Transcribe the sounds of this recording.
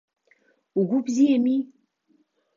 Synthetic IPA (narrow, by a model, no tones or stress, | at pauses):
uɡʷubziemi